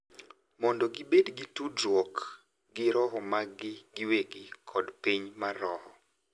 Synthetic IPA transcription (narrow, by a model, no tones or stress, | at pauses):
mɔndɔɡɪbedɡitudɾwɔk | ɡɪɾɔɦɔmaɡɪɡɪweɡɪkʰɔdpiɲmarɔhɔ